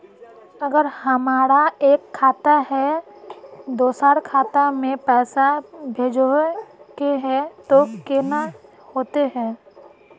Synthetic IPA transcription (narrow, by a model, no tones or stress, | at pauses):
əɡəɾhəmaːɾaeːkʰːaːt̪aɦɛ | d̪oːsaːɾkʰaːt̪amẽpɛːsabʱeːd͡ʒokeɦɛt̪okeːna | hoːt̪eɦɛː